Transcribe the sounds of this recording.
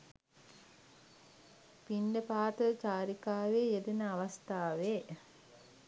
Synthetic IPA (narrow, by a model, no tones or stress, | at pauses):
pinɖəpaːt̪ət͡ʃaːɾikaːʋeːjed̪enəaʋast̪aːʋe